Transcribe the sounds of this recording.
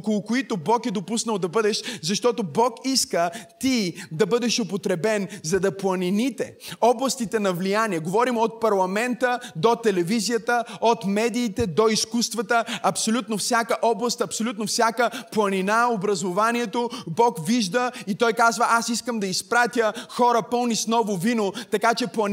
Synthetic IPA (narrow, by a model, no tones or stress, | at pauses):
okolˠʊkoit̪obɔkɛd̪opusnəwˠd̪ɐbɤd̪ɛʃzɐʃt̪ɔt̪obɔkiskət̪id̪ɐbɤd̪ɛʃopot̪ɾɛbɛnzɐd̪ɐplˠɐninit̪ɛɔblˠɐst̪it̪ɛnɐvlijaniɛɡovɔɾimot̪̚pɐɾlˠɐmɛnt̪əd̪ot̪ɛlɛvizijət̪əot̪mɛd̪iːt̪ɛd̪oiskust̪vɐt̪əʔɐpsolʲut̪nofsʲjakəʔɔblˠɐst̪ɐpsolʲut̪nofsʲakəplˠɐninaobɾɐzovanʲiɛt̪obɔkviʒd̪əit̪ɔjkazvəʔasiskəmd̪ɐispɾat̪ʲjəxɔɾəpɤlˠnisnɔvʊvinot̪ɐkat͡ʃɛplˠɐn